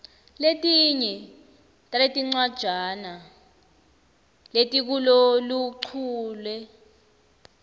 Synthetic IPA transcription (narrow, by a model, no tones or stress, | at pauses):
letʼiɲɛ | tʼaletʼiŋ͡ǀwad̥ʒ̥ʱana | letʼik̬uloluǃʰuːlwɛ